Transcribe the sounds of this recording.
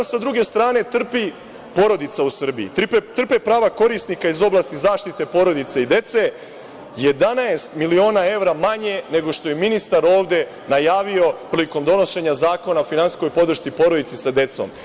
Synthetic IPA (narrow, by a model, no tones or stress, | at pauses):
sad̪ɾuɡe̞st̪ɾaːne̞t̪r̩pi | po̞ɾo̞d̪it̪sausr̩biit̪t̪r̩pe̞pɾaːʋako̞ɾisnikaizo̞blˠaːst̪izaːʃt̪it̪e̞po̞ɾo̞d̪it̪seid̪e̞t̪se̞ | je̞d̪anaest̪milio̞ːnae̞ʋɾamaɲe̞ne̞ɡo̞ʃt̪o̞je̞minist̪aɾo̞ːʋd̪e̞ | najaːʋio̞pɾliko̞md̪o̞no̞ʃe̞ɲazaːko̞naofinansi̥sko̞jpo̞d̪r̩ʃt̪sipo̞ɾo̞d̪it̪sisad̪e̞t̪so̞̰m